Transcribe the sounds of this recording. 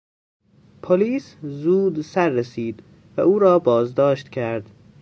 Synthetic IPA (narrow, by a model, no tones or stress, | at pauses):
pʰoliːszuːd̪sæɾːesiːd̪ | væʔuːɾɒːbɒːzd̪ɒːʃt̪cʰæɾd̪̥